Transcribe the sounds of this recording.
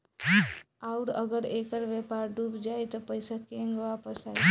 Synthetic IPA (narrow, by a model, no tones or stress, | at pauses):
aʊɾəɡəɾekəɾʋjepaːɾɖuːbd͡ʒaːjt̪opəɪsakẽŋɡʋaːpəsaːi